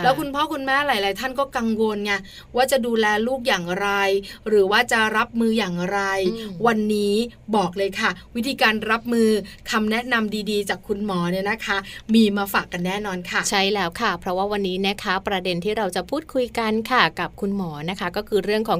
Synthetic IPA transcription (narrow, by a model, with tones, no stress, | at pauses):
lɛ˦˥kʰu˧npʰɔː˥˩kʰu˧nmɛː˥˩laː˨˩˦jlaː˨˦jt̪ʰa˥˩nkɔː˥˩ka˧ŋwo˧nka˧˥˩ | waː˥˩t͡ɕa˨˩duː˧lɛː˧luː˥˩k̚jaː˨˩ŋɾa˧jɾɯː˩˦waː˥˩t͡ɕa˨˩ɾa˦˥p̚mɯː˧jaː˨˩ŋɾa˧jwa˧nːiː˦˥bɔː˨˩k̚lɤː˧jkʰa˥˩wi˦˥t̪ʰiː˧kaː˧nɾa˦˥p̚mɯː˧kʰa˧mnɛ˦˥ʔna˧mdiː˧diː˧t͡ɕaː˨˩kʰːu˧nmɔː˩˦ni˥˩ɐna˦˥kʰa˦˥miː˧maː˧faː˨˩kːa˧nːɛː˥˩nɔː˧nkʰa˥˩t͡ɕʰa˦˥˩jlɛː˦˥wkʰa˥˩pʰɾɔ˦˥waː˥˩wa˧nːiː˦˥na˦˥kʰa˦˥pɾa˧de˧nt̪ʰiː˥˩ɾa˧wt͡ɕa˨˩pʰuː˥˩t̪̚kʰu˧jka˧nkʰa˥˩ka˨˩p̚kʰu˧nmɔː˩˦na˦˥kʰa˦˥kɔː˥˩kʰɯː˧ɾɯ˥˩əŋkʰɔː˩˦ŋ